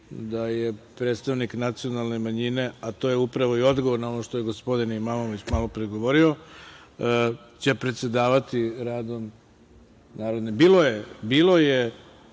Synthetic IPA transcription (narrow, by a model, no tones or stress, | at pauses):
d̪aje̞pɾet̪st̪aʋniknat̪sio̞nalˠne̞maɲine̞at̪o̞ːjeupɾaʋo̞io̞d̪ɡo̞ʋoɾnao̞no̞ʃt̪ojeɡo̞spo̞d̪inimamo̞ʋit͡ɕmalˠopɾeɡo̞ʋo̞ɾio̞ | t͡ɕepɾe̞t̪se̞d̪aːʋat̪iɾaːd̪o̞m | naːɾod̪nebiːlo̞jebiːlo̞je